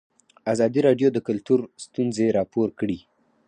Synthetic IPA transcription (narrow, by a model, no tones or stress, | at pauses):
azɑd̪iɾɑɖjod̪əkʊlt̪uɾst̪unzeɾɑpoɾkɽi